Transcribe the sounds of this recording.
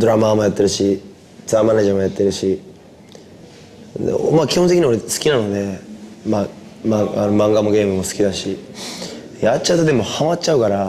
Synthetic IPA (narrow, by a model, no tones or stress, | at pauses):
d̪o̞ɾamamo̞jat̪ːe̞ɾɯ̟ɕi | t͡sɨamaneʑamo̞jat̪ːe̞ɾɯ̟ɕi | d̪̰makʲihont̪ekʲiɲiaoɾesɨ̥kʲinano̞d̪e̞mamaanomãŋɡamoɡe̞ːmɯ̟mo̞sɨ̥kʲid̪aɕi | jatt͡ɕːaɯ̟t̪od̪e̞mo̞hamatːt͡ɕaɯkaɾa